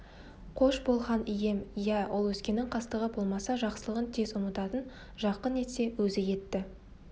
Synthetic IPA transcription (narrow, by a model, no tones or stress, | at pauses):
qʰo̞ʃbo̞lˠʁɑnije̞mjæwolˠwɵskʲe̞nɪŋqʰɑst̪əʁəbo̞lˠmɑsɑʒɑqsəlˠəʁənt̪ʰe̞zʊmət̪ɑt̪ən | ʒɑqːəne̞t̪se̞wɵzɪje̞t̪ːɪ